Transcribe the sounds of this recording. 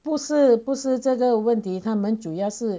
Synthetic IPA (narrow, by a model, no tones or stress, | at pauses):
puʂɻ̩puʂɻ̩ʈ͡ʂɤɡəwənt̪ʰit̪ʰamənʈ͡ʂujɑʊʂɻ̩